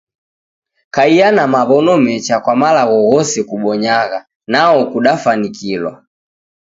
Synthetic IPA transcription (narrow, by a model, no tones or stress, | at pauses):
kaianamaβɔnɔmɛt͡ʃakwamalaɣɔɣɔsɛkuɓɔɲaɣa | naɔkuɗafanikilwa̰